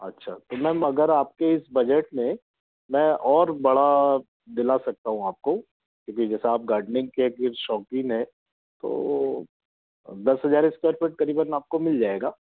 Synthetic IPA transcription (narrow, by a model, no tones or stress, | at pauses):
ɐtːʃʰaːt̪omɛ̃mɐɡəɾaːp̚keɪsbɐd͡ʒəʈmẽ | mɛ̃ʔɔːɾbɐɽa | d̪ɪlasɐk̚t̪aɦũaːp̚ko | kjõːkid͡ʒɛːseaːp̚ɡaːɾɖnɪ̃ŋɡ̚keɡɪɾʃɔːkɪ̃ŋɡɦɛ̃ | t̪o̰ː | d̪ɐsɦɐzaːɾɪskeːɾpeʈ̚kɐɾiːbənaːp̚komɪld͡ʒaːeːɡaː